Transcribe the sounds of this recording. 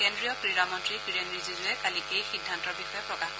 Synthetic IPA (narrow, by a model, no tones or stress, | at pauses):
kendɹijɔpɹiɹamɔntɹiɡiɹenɹizizuɛkalikejxidʱːantɔɹbixɔjɔpɹɔkax